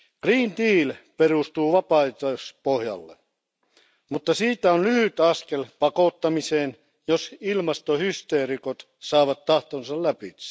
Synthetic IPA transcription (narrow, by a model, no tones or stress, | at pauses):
ɡ̥riːnd̪iːlperust̪uːʋɑpɑit̪ospohjɑ̰lːḛ | mut̪ːɑsiːt̪æonlyhyt̪ɑskelpɑkot̪ːɑmiseːn | josilmɑst̪ohyst̪eːrikot̪ | sɑːʋɑt̪tɑht̪onsɑllæpi̥